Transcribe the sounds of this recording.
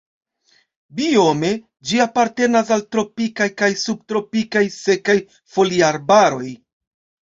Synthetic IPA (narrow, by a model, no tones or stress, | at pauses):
bio̞me̞ | d͡ʒiapaɾte̞nas̬altɾo̞pikajkajsub̚tɾo̞pikajse̞kaj | fo̞liaɾbaɾo̞j